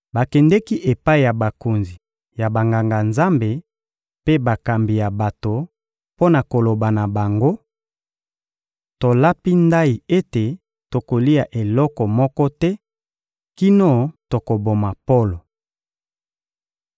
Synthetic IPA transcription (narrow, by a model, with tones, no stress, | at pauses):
ba˨kɛ˨ndɛ˦ki˦ʔe˨pa˦i˨ja˨ba˨ko˨nzi˨ | ja˨ba˨ŋɡa˨ŋɡa˨nza˦mbe˨ | pe˦ba˨ka˨mbi˨ja˨ba˨to˨ | po˦na˨ko˨lo˨ba˨na˨ba˨ŋɡo˦ | to˨la˦pi˦nda˦i˨e˦te˨ | to˨ko˨li˦a˨ʔe˨lɔ˦kɔ˨mɔ˦kɔ˦tɛ˦ | ki˦no˦to˨ko˨bo˨ma˨po˦lo˨